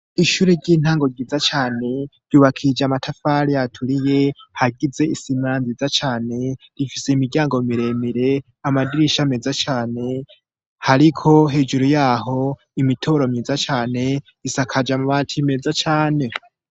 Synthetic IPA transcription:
iʃuːɾeɾɟiːn̥haːŋɡo̞ɟiːzat͡ʃaːne̞ɾ̥uːβakʰid͡ʒamatʰafaɾijatʰuɾije̞haɡize̞isimanzizat͡ʃaːne̞ | ɾifise̞imiɟjaːŋɡo̞miɾe̞miɾe̞ | amadiɾiʃamezat͡ʃaːne̞ | haɾikʰo̞ɦe̞ːd͡ʒuɾujaːɦo̞ | imitʰo̞ɾo̞mɲiːzat͡ʃaːne̞ | isakʰad͡ʒamuβaːtʰimezat͡ʃaːne̞

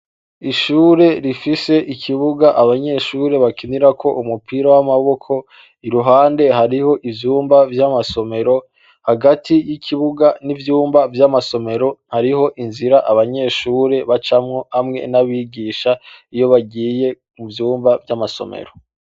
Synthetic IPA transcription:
iʃuːɾe̞ɾifise̞ʔicʰiβuɡaʔaβaɲe̞ːʃuːɾe̞βakiniɾakʰo̞ʔumupʰiːɾawamaβo̞kʰo̞ | iɾuɦaːnde̞ɦaɾiho̞ʔivjuːmbavjamaso̞me̞ɾo̞ | haɡatʰijicʰiβuɡanivjuːmbavjamaso̞me̞ɾo̞haɾiɦo̞ʔinziɾaʔaβaɲe̞ːʃuːɾe̞βat͡ʃamŋo̞hamŋe̞̰naβiɡiːʃaijo̞βaɡiːje̞ | muvjuːmbavjamaso̞̰mḛɾo̞

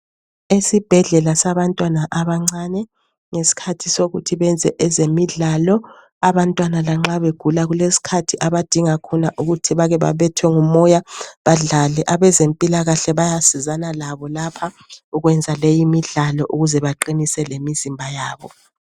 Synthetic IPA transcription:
esib̥ʱɛɮɛlasaβantʼwanaʔaβaŋ͡ǀanɛ | ŋesi̥kʰatʰisoɣutʰiβɛnd͡zʱɛʔɛzemiɮalɔ | aβantʼwanalaŋ͡ǁaβeɡ̥ʱulaɣulesi̥kʰatʰiʔaβad̥ʱiŋakʰɔnaʔuɣutʰiβaɣɛβa̰βɛtʰwɛŋumɔjaβaɮalɛʔaβɛzempʼilaɣaɬɛβajasizanalaβɔlapʰa | uɣwɛnd͡zʱalejimiɮalɔʔuɣuzɛβaǃinisɛlemizimbʱajaːβɔ

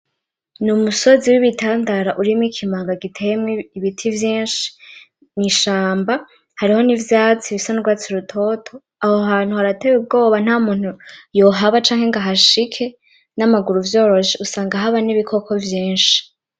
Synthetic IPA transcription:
numuso̞ziwiβitaːndaɾaʔuɾimŋikʰimaːŋɡaɡitʰe̞jemŋiiβitʰivjiːnʃi̥ | niʃaːmba | haɾiho̞nivjaːt͡siβisanuɾɡwaːt͡siɾutʰo̞tʰo̞ | ahoɦaːn̥huhaɾatewub̚ɡo̞ːβan̥aːmuːn̥hujo̞ɦaβat͡ʃaːŋheŋɡaɦaʃikʰe̞ | namaɡuɾuvjo̞ɾo̞ʃiʔusaːŋɡaɦaβaniβikʰo̞kʰo̞vjiːnʃi̥

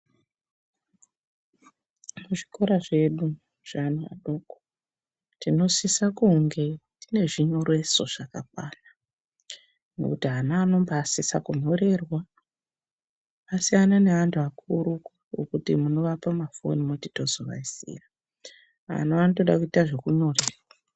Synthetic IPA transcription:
muʐiko̞ɾaʐe̞ɗu | ʐ̥ana̰ɗo̞ko̥ | tino̞sisakuŋɡe̞tine̞ʐiɲorwe̞so̞ʐ̥akak̚waːna | no̞̰kutiɦanaːno̞mbasisakuɲo̞ɾe̞rwa | asijanane̞ʋantʰuakuɾukwawo̰kutimuno̞ʋapamafo̞̰nimuti̥to̞zo̞ʋa̰isḭːra | a̰naanoto̞ɗakuitaʐe̞kuɲo̞reːrwa

